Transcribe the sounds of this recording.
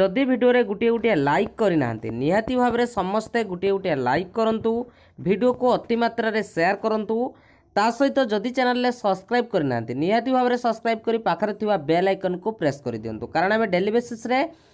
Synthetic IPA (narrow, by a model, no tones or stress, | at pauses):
ɔd̪ibʱiɖioɾeɡuʈieuʈialajkːɔɾina̰ɦa̰nt̪ḭniɦat̪ibʱabɔɾesɔmɔst̪eɡuʈieuʈijala̰jkːɔɾɔnt̪u | bʱiɖiokuɔt̪imat̪ɾɔɾeseaɾkɔɾɔnt̪u | t̪asɔɦit̪ɔd͡ʒɔd̪it͡ʃenalɔɾesɔbskɾajb̚kɔɾina̰ɦa̰nt̪iniɦat̪ibʱabɔɾesɔbskɾajb̚kɔɾipakʰaɾɔt̪ʰibabealajkɔnɔkupɾeskɔɾid̪iɔ̰nt̪ukaɾɔɽ̃ameɖelibesesɾe